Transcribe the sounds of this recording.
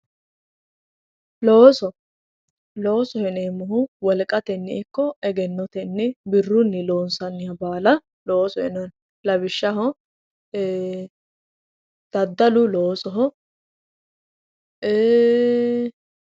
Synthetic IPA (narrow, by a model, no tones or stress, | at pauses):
loːsɔ | loːsɔhɛneːmːʊɦʊwɔlkʼɐt̪ɛnːɪ̰ɪkːɔɛɡɛnːɔt̪ɛnːɪbɪrːʊnːɪloːnsɐnːɪjɐbaːlɐ | loːsɔhɛnɔn | lɐbɪʃːɐɦɔ | d̪̥ɐd̪ːɐlʊloːsɔɦɔ | eː